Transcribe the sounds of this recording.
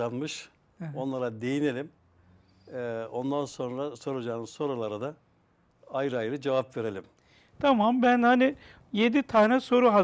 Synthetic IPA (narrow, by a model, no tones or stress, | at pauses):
anmɯʃ | o̞nlˠaɾad̪e̞jine̞lʲim | o̞nd̪anso̞nɾaso̞ɾad͡ʒaːnɯso̞ɾalˠaɾad̪a | ajɾɯajɾɯd͡ʒevapveɾe̞lʲim | t̪ʰamambænhani | je̞d̪it̪ʰaːnɛso̞ɾuɦa